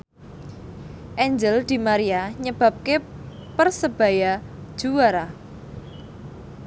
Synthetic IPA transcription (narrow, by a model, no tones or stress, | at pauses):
ʔɛɲd͡ʒəld̪̥i̤maɾiaɲəb̥ä̤p̚kepərsəb̥a̤jad̥ʒ̥uwaɾa